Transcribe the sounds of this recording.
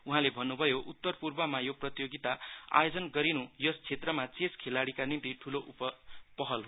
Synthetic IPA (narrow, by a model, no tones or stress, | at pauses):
uɦãlebʱʌnːubʱʌjoʔut̪ːʌrpurbʌmajoprʌt̪joɡit̪aa̰jod͡zʌnɡʌɾinujʌst͡sʰet̪rʌmat͡seskʰelaɽikanint̪iʈʰuloʔupʌpʌɦʌlɦ